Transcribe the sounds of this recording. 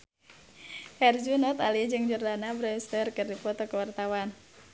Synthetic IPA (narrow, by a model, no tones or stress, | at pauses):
ʔɛrd͡ʒunɔt̪alid͡ʒɨŋd͡ʒurdanabɾɔjust̪ərkɨrdipɔt̪ɔkəwart̪awan